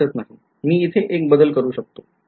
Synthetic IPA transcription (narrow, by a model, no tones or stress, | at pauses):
ət̪naɦi | miːit̪ʰeʔek̚bəd̪əlkəɾuːɕək̚t̪o